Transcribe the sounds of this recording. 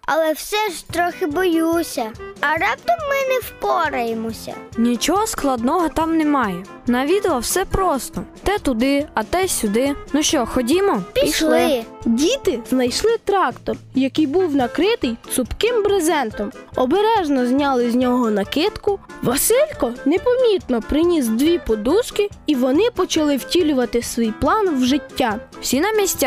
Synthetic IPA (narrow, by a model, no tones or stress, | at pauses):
ɐlˠɛwsɛʒt̪ɾɔxɪbɔjusʲɐɐɾɑp̚t̪ɔmːɪnɛwpɔɾɐjemɔsʲɐ̰nʲit͡ʃɔɦɔsklˠɐd̪nɔɦɔt̪ɑmnɛmɑjɛ | nɐʋʲid̪ɪʋˠɐwsɛpɾɔst̪ɔt̪ɛt̪ʊd̪ɪɐt̪ɛsʲʊd̪ɪnuʃt͡ʃɔxɔdʲimɔpʲiiʃlˠɪdʲit̪ɪznɐjʃlˠɪt̪ɾɑkt̪ɔrjɐkɪjbuwnɐkɾɪt̪ɪjt̪sʊpkɪmbɾezɛnt̪ɔmɔbeɾɛʒnɔzʲnʲɑlˠɪzʲnʲɔɦɔnɐkɪt̪kʊʋɐsilʲkɔnɛpɔmʲit̪nɔpɾɪnʲizd̪ʋʲipɔd̪uʃkɪ | iʋɔnɪpɔt͡ʃɐlˠɪwtʲilʲʊʋɐt̪ɪsʋʲijplˠɑnwʒɪtʲːa | w̥sʲinɐmʲisʲtʲ